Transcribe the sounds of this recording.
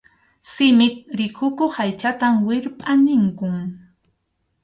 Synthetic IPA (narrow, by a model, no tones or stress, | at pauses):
sɪmɪt̪̚ɾɪkʰʊkoχajt͡ʃat̪amwɪɾpʼanɪŋkʊŋ